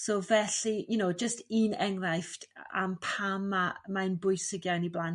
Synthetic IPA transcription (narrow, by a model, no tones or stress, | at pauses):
sovɛɬijʊnowd͡ʒəstiːnɛŋrajfta̰mpʰamːamaənbʊɨsəɡjaniblˠan